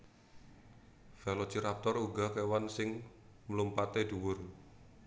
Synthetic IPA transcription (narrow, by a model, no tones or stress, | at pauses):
fɛlɔ̥t͡ʃiɾap̚t̪ɔɾuɡa̤kewansɪŋ | məlumpat̪ed̪̥uwʊr